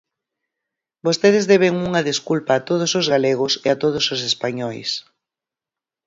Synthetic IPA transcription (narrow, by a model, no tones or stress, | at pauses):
bost̪eðɪzðɛβ̞eŋuŋɐðeskulpaːt̪oð̞ʊsozɣaleɣ̞ʊseat̪oð̞ʊsos̬espaɲɔjs